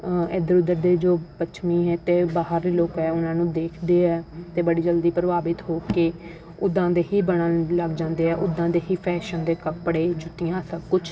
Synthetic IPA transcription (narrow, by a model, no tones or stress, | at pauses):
eːd̪əɾʊd̪əɾd̪eːd͡ʒoːpəʃʰmiːɦɛ̃ːt̪eːbaːɦəɾdeːloːkɛːʊnãːnũːd̪eːkʰd̪eːɛːt̪eːbəɽiːd͡ʒəld̪iːpɾəʋaːbɪt̪ɦoːkeː | ʊd̪ːãːd̪eːɦiːbəɽãləɡd͡ʒãːnd̪eːɛːʔʊd̪ːãːd̪eːɦiːpʰɛːʃənd̪eːkəpɽeːd͡ʒʊt̪ːɪjãːsəkkʊt͡ʃʰ